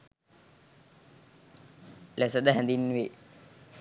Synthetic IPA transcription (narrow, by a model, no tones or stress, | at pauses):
lesəd̪əɦænd̪inːuʋe